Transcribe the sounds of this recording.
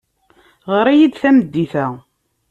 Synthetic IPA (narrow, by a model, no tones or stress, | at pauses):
ʁəɾæjid̪θæməd̪ːiθæ